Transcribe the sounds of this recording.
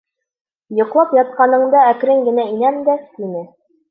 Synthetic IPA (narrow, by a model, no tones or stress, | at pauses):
jŏqlˠɑpjɑt̪̚qɑnɤ̆ɴd̪ɑækɾɘŋɡɘ̆næinæmd̪æinɘ